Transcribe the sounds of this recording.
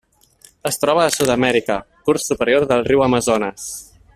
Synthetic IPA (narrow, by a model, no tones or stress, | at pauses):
əst̪ɾɔβ̞əːsuðəmɛɾikə | kuɾsupəɾioɾðəlˠriwəməzonəs